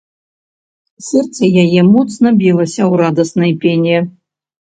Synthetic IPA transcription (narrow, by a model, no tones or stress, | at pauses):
sɛrt̪sɐjajɛmɔt̪snɐbʲilˠɐsʲɐwɾad̪ɐsnɐjpʲenʲɛ